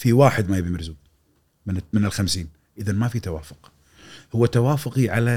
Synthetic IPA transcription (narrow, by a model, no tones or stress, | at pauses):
fiwaːħɪd̪majɪbimɪɾzuː | mɪnmɪnɪlxamsiːn | ʔɪðanmafit̪awaːfʊ̥q | hʊwːat̪awaːfʊqiʕala